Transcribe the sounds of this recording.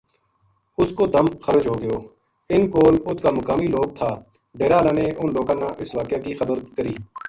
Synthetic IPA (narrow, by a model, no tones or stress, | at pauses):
ʊskoːd̪əmxəɾəd͡ʒɦoːɡɪjoː | ɪnkoːlʊt̪ʰkaːməkaːmiːloːɡ̚t̪ʰaː | ɖeːɾaːlãːneːʔʊnloːkãːnãːʔɪsʋaːkjaːkiːxəbəɾkəɾiː